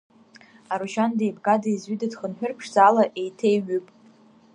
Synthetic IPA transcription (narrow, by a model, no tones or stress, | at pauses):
aɾuʃandejbɡadaizɥidadχənħʷᶣʊrpʰʂzalaʔejtʰejɥɨpʼ